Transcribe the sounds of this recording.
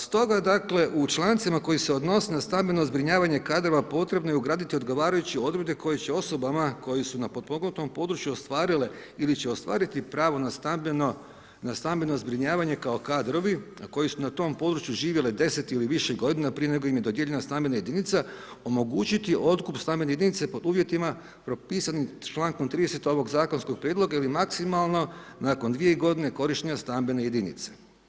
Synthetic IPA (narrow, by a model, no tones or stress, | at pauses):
st̪o̞ɡad̪akle̞ʔut͡ʃlˠant̪simako̞jise̞o̞d̪no̞senast̪ambeno̞zbɾiɲaːʋaɲe̞kaːd̪ɾo̞ʋapo̞t̪ɾe̞bno̞jeuɡɾaːd̪it̪io̞d̪ɡo̞ʋaːɾajut͡ɕio̞d̪ɾed̪e̞ko̞jet͡ɕeo̞so̞bamako̞jesunapo̞t̪̚poɡnut̪o̞mpo̞d̪ɾut͡ʃjuost̪ʋaːɾile | ilit͡ɕe̞o̞st̪ʋa̰ːɾit̪ipɾaːʋo̞nat̪abno | nast̪ambeno̞zbɾiɲaːʋaɲe̞kao̞kad̪ɾo̞ʋinako̞jesunat̪o̞ːmpo̞d̪ɾut͡ʃjuʒiːʋje̞led̪e̞se̞t̪iliʋiʃeɡo̞d̪inapɾije̞ne̞ɡo̞jimje̞d̪od̪jeʎe̞nast̪ambe̞naje̞d̪init̪sa | o̞mo̞ɡuːt͡ɕit̪iʔo̞t̪kupst̪ambe̞nejeinit̪se̞po̞d̪uːʋje̞t̪ima | pɾo̞piːsanimt͡ʃlˠaːŋkomt̪ɾiːd̪ese̞t̪o̞ʋo̞ɡzaːko̞nskoɡ̚pɾʲjed̪lˠo̞ɡailimaksimalˠno̞nako̞nd̪ʋije̞iɡo̞d̪ine̞ko̞ɾiʃt̪eɲast̪ambeneje̞d̪inḭt̪se̥